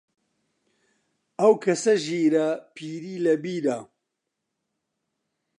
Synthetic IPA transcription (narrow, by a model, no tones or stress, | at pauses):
ɐwkʰɐsɐʒiːɾɐpʰiːɾiːlɐbiːɾa